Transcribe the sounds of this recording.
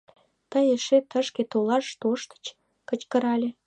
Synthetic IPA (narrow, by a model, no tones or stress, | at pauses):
t̪əjeʃet̪əʃket̪olɑʃt̪oʃt̪ə̥t͡ɕ | kət͡ɕkə̆ɾɑlʲe